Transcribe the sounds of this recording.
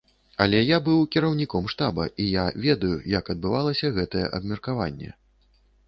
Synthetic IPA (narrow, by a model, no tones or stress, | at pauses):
ɐlʲɛjabɨwkʲiɾɐwnʲikɔmʂt̪abɐ̰ʔijavʲɛd̪ɐjujɐkɐd̪̚bɨvalˠɐsʲɐɣɛt̪ɐjɛ̰ʔɐbmʲɛrkavanʲːɛ̰